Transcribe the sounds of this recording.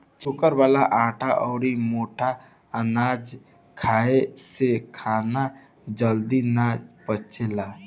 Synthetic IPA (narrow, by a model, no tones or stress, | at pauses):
t͡ʃʊkəɾwaːlaʔãːʈʰaʔɔːɾimoːʈʰa | ənaːd͡ʒ | kʰaesekʰaːna | d͡ʒəld̪inad͡ʒpət͡ʃʰela